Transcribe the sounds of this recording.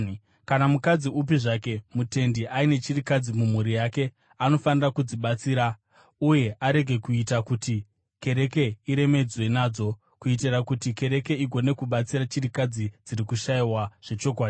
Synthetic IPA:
kanamukad͡ziup̬iʐake̞mute̞ndiʔaine̞t͡ʃirikad͡zimum̤uɾijake̞ | ano̞fanirakud͡ziɓat͡siːɾa | uje̞ʔaɾe̞ɡʱe̞kuitakuti | ke̞ɾe̞ke̞iɾe̞me̞d͡zwe̞naːd͡zo̞ | kuit̬irakutike̞ɾe̞ke̞iɡʱo̞ne̞kuɓat͡siɾat͡ʃirikad͡zid͡ziɾikuʃaiwaʐ̥e̞t͡ʃo̞k̬waːdi

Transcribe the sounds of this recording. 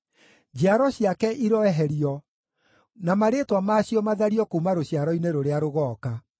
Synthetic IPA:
d͡ʑeaɾɔɕjakɛʔiɾɔɛɦɛɾiɔ | namaɾetwamaːɕiɔmaðaɾiɔkuːmaɾoɕjaɾɔineɾoɾeaɾoɣɔːka

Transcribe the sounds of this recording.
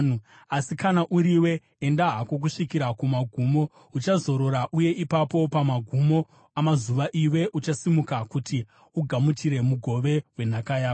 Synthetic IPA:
u | asikanaʔuɾiwe̞ː | ndaɦako̞k̬uʂikiɾakumaɡʱuːmo̞ | ut͡ʃazo̞ɾo̞ɾaʔuje̞ʔipapo̞pamaɡʱumo̞ | amazuʋaʔiwe̞ʔut͡ʃasimukakuti | uɡʱamutiɾe̞muɡʱo̞ʋe̞we̞n̤akajaːa

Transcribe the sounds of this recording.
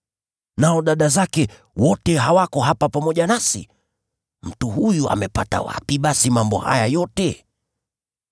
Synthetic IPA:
naɔɗaɗazakɛ | wɔtɛɦawakɔɦapapamɔʄanasḭ | m̩tuhujua̰mɛpata̰wa̰piɓasimambɔ̰ha̰jajɔtɛ

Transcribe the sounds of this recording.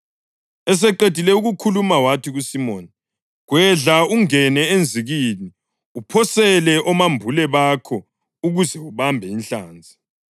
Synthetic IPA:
ɛs̬ɛǃed̥ʱilɛuɣukʰulumawatʰiɣusimɔːni | ɣwɛɮauŋɛnɛend͡zʱiɣini | upʰɔsɛlɛʔɔmambʱulɛβaːkʰɔ | uɣuzɛuβambʱɛinɬa̰ːnd͡zʱi̥

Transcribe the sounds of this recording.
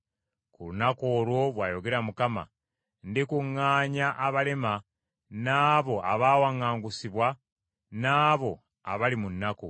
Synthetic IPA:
kulunakoːlwo̞βwaːjo̞ɡe̞ɾamukama̰ | ndikuŋːaːɲaʔaβale̞ma | naːβo̞ʔaβaːwaŋːaːŋɡusiβwa | naːβo̞ | a̰βalimunːako

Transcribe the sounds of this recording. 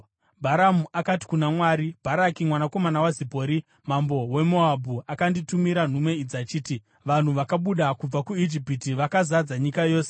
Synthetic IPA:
bʱaɾamuʔakati̥kunamwaːɾib̥ʱaɾakimwanako̞manawazipo̞ːɾi | mambo̞we̞moabʱuakanditumiɾan̤umwe̞id͡zat͡ʃiːti | ʋan̤uʋakaɓuɗakub͡vakuid͡ʒipitiʋakazad͡zaɲikajo̞ːse

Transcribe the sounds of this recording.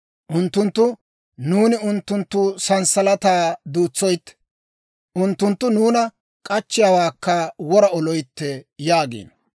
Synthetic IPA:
ʔʊnt̪ːʊnt̪ːʊ | nuːnɪʊnt̪ːʊnt̪ːʊsɐnsɐlɐt̪aːd̪uːt͡sːɔjt̪ː | ʔʊnt̪ːʊnt̪ːʊnuːnɐ | kʼɐt͡ʃːɪjaːwaːkːɐwɔɾɐɔlɔjt̪ːɛjaːɡḭːn

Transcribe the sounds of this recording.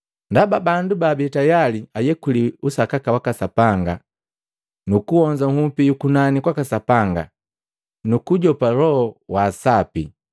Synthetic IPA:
ndababandubaːbɛtajaliajɛkuliusakakawakasapaŋɡa | nukuhɔɲd͡ʒaŋ̩upijukunanikwakasapaŋɡa̰ | nukuɟɔpalɔhɔwaːsapḭ

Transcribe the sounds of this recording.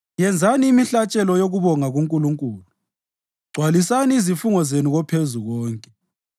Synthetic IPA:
jɛnd͡zʱaniːmiɬat͡ʃʼɛlɔjoɣuβɔŋaɣuŋkʼuluŋkʼuːlu | ɡ͡ǀʱwalisaniːzifuŋɔzenuɣɔpʰezuɣɔːŋkʼɛ

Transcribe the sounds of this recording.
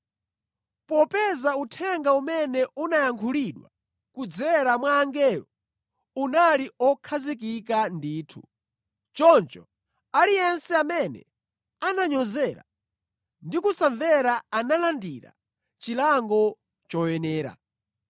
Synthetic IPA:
pɔpɛzautʰɛŋɡaumɛnɛʔunajaŋkʰuɾiɗwa̰ | kud͡zɛɾamwaːŋɡɛlɔ | unaliɔkʰazik̬ik̬andiːtʰu | t͡ʃɔnt͡ʃɔ | alijɛnsɛamɛnɛ̰ | anaɲɔzɛːɾa̰ | ndikusaɱvɛɾaanalandiɾa̰ | t͡ʃilaŋɡɔ | t͡ʃɔjɛnɛːɾa̰

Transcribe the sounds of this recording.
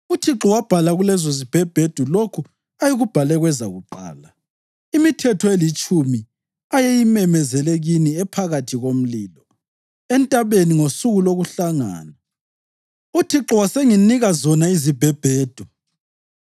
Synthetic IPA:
utʰiǁɔwab̥ʱalaɣulɛzozib̥ʱɛb̥ʱed̥ʱulokʰu | ajiɣub̥ʱalɛɣwɛza̰ɣuǃa̰ːla | imitʰɛtʰɔelit͡ʃʼumi | ajejimɛmɛzɛleɣiniɛpʰaɣatʰiɣom̩liːlɔ | ɛntʼaβeniŋosuɣuloɣuɬaŋa̰ːna | utʰiǁɔwaseŋiniɣazɔnaizib̥ʱɛb̥ʱeːd̥ʱu

